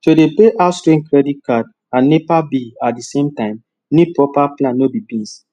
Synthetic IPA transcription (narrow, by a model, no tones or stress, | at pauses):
todebeʔastɹẽnkɹɛdit̚kad̚ | ãnːepabiat̚disẽmtãɪ̃m | nipɹɔpaplãnːobibĩns